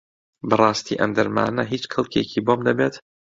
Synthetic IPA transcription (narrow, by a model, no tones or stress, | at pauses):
bɨrˤɑːst̪ʰḭːʔɐ̰md̪ɐɾma̰ːnɐɦiːt͡ʃkʰɨlˠkʰecʰiboːmd̪ɐbeːt̪